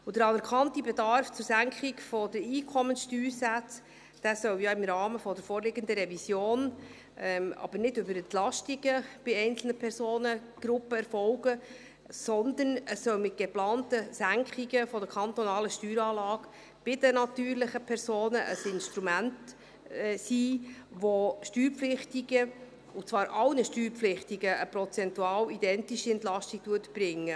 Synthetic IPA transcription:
ʊd̥əɾɑnɛɾkʰɑntibedɑɾft͡sʊɾsæŋkχɪkfɔdəɾiːkʰɔmənsʃtyːɾsæt͡s | d̥æːsœwjɑɪmɾɑːməfɔdəɾfoːɾlɪɡənd̪əɾɛvisjoːn | ɛmɑ̰b̥əɾnɪdʉbəɾɛnt̪lɑʃtiɡəb̥ɪɛɪnt͡sl̩nəpʰɛɾsoːnə | ɡ̥ɾʊpːəɛɾfɔʊɡə | sɔnd̪ənəsːœlmɪt̚ɡ̥eplɑːntəsæŋkχiɡəfɔdəkʰɑnt̪ɔnɑːləʃtyːɾɑːlɑːɡ | b̥ɪd̥̪ənɑt̪yːɾlɪχəpʰɛɾsoːnəʔəsɪnʃt̪ɾumænt | siːʋoʃtyːɾflɪχtiɡə | ʊt͡svɑːɾʔɑlnəʃtyːɾpflɪχtiɡəʔəpɾɔt͡sɛntuɑːwid̥ɛntiʃiɛntlɑʃtiɡ̥̚tuətb̥ɾɪŋːə

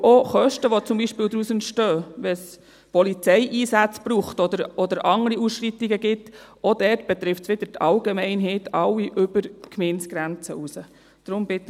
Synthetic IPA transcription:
ʔoχœʃtəʋot͡sʊmbiʃpɪːld̪ɾusənʃtøːʋɛs | pʰɔlit͡sɛɪʔiːsæt͡sb̥ruːχtɔd̪əɾɔdəɾʔɑŋɾiusʃrit̪ːiɡəɡɪtod̥̪ɛtb̥ɛt̪ɾɪftsʋɪd̥̪əɾtʰɑlɡemɛɪnɦɛɪt̪ʰɑwːiʔʏb̥əɾkmɪnsɡ̥ɾænt͡səʔusə | d̥ɾʊmb̥ɪt̪ː

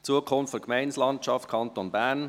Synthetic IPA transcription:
t͡suəkʰʊnftfɔɾkmɛɪnslɑntt͡ʃɑft̚kʰɑnt̪onbæːn

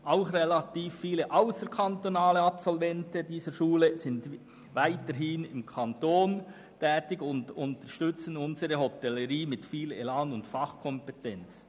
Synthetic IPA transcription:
ʔaʊxrelɑtiːfːiːləʔaʊsəɾkʰɑntonaːləɑpsɔlvɛntədiːzəʃuːləzɪnd | vaɪtəɾɦɪnɪmkʰɑntoːn | tʰɛːtɪɡʊndʊntəɾʃtʏt͡sənʊnzəɾəɦɔtɛləɾiːmɪtfiːlḛlaːnʊntfɑχkʰɔmpɛtɛnt͡s

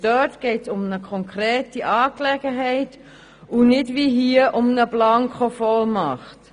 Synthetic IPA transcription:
d̥œtɡ̥eɪtsʊmnəkʰɔŋkʁɾeːtiʔɑːklɛɡəɦɛɪt | unɪdʋiɦiəʔʊmnəblɑŋkχofɔlmɑχt

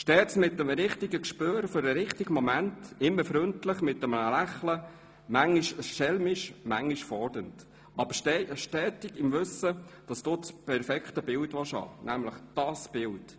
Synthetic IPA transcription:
ʃtɛːsmɪtːəmɾɪχtiɡəkʃpøːɾføɾəɾɪχtiɡəmɔmæntɪmːəɾfɾʏntləχmɪtːəmənəlæχlə | mæŋːiʃʃɛlmiʃmæŋːiʃfɔrdənt | ɑb̥əʃtɛʃtɛːtɪɡɪmʋɵsəd̥ɑsd̥oːt͡spʰɛɾfɛkχtəbɪltʋɑʃɑ̰ːnʔæmləχd̥ɑsb̥ɪlt

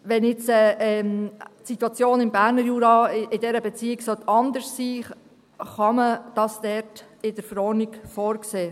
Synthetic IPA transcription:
ʋɛnɪt͡sɛɛmtsit̪wɑt͡sjoːnɪmbæːɾnəɾjuːɾɑɪdɛɾəbɛt͡siːɪksœt̪ʰɑnd̪əssiː | χɑməd̥ɑsd̥ɛɾt | ɪd̥əɾfəɾɔːrnɪɡ̥fɔːɾkseː

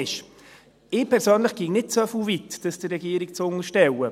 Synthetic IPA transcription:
ɪʃ | ɪːpʰɛɾsøːnlɪχɡ̥iŋnɪt̚t͡sœfuːvitd̥ɑsd̥ərːɛɡiːɾɪkt͡sʊŋəʃtɛwə

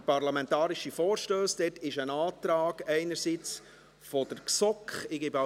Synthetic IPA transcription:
pɑɾlɑmɛntɑːɾiʃifɔːɾʃtøːsd̥ɛtʰɪʃənɑːt̪ɾɑːɡɛɪnəɾsiːt͡s | fɔd̥əɾksɔkχɪɡɪba

